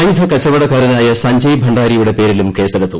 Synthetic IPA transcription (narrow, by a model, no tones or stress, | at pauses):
ɐjid̪ʱɐkɐɕɐʋɐɽɐkaːɾinaːjɐsɐɲd͡ʑɐjbʱɐɳɖaːɾijuɽe̞pe̞ːɾilumke̞ːsɐɾɐt̪ːu